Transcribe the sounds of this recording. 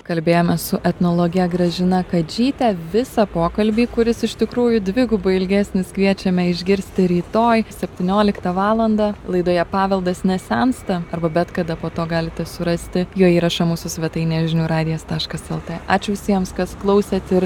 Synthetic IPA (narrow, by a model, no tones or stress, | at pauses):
kɐlʲbʲeːjoːmʲɛssʊʔɛt̪noːlˠoːɡʲɪjɛɡɾɐʒʲɪnɐkɐd͡ʒʲiːt̪ʲɛʋʲɪsɐpoːkɐlʲbʲiːkʊɾʲɪsɪʃt̪ʲɪkɾuːjʊd̪ʲʋʲɪɡʊbɐɪlʲɡʲæːsʲnʲɪskʋʲiɛt͡ʃʲɛmʲɛɪʒʲɡʲɪɾʲsʲt̪ʲɪɾʲiːt̪oːjsʲɛpʲt̪ʲiːnʲoːlʲɪkt̪ɐʋɑːlˠɐnd̪ɑlˠɐɪd̪oːjɛpɑːʋʲɛlˠd̪ɐsnʲɛsʲɛnst̪ɐɐrbɐbʲɛt̪kɐd̪ɐpoːt̪oːɡɑːlʲɪt̪ʲɛsʊɾɐsʲt̪ʲɪjuːiːɾɐʃɐmuːsʊsʲʋʲɛt̪ɐɪnʲɛːʒʲɪnʲuːɾɑːd̪ʲɪjɛst̪ɑːʃkɐsɛlˠt̪eʔɑːt͡ʃʲʊʋʲɪsʲiɛmskɐsklˠɐʊsʲɛːt̪ɪɾ